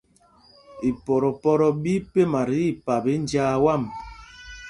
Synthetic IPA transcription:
i˨pɔ˨ɾɔ˨pɔ˦ɾɔ˨bi˦pe˦ma˨ɾi˦i˦˨pa˨be˨˦n˦d͡ʒaː˦wa˦˨m

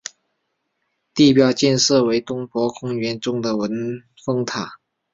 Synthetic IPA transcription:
t̪i˥˩pjɑ˥ʊt͡ɕjɛ˥˧nʂɤ˥˩we˧˥ɪt̪ʊ˥ŋpwɔ˧˥kʰʊ˥ŋɥɛ˧˥nʈ͡ʂʊ˥ŋd̪ə˨wə˧˥n | fɤ˥ŋt̪ʰa˨˩˦

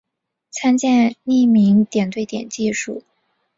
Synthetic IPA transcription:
t͡sʰa˥nt͡ɕjɛ˥˧ni˥˩mi˧˥ŋt̪jɛ˨˩nt̪we˥˩ɪt̪jɛ̰˨˩nt͡ɕi˥˧ʂu˥˩

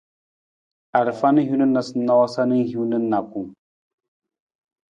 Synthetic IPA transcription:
a˨ɾfa˦nə˦ɦu˦nə˦nːa˨sə˨˦nːa˦wa˦sa˦nə˦ŋɦi˦nə˦nːa˨ku˨m

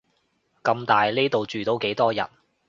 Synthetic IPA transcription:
kɐ˧mt̪aː˨jli˥t̪o˨wt͡ʃyː˨˩t̪o˧˥wke˨˥jt̪ɔː˥jɐ̰˨˩t̚

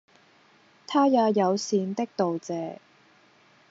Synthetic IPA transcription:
t̪ʰaː˥jaː˨˧jɐ˨˧wsiː˨˧nt̪ɪ˥k̚t̪o˨wt͡sɛː˨˧

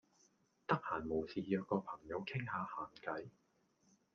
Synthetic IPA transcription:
t̪ɐ˥k̚haː˨˩nmo˨˩wsiː˨jœː˧kɔː˧pʰɐ˨˩ŋjɐ˨˧wkʰɪ˥ŋhaː˨˧haː˨˩nkɐ˨˥j

